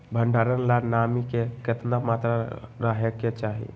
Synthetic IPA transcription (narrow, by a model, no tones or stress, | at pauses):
bʱəɳɖaːɾənlanamikekɪt̪namaːt̪ɾaɾaɦjəkːet͡ʃaːɦḭ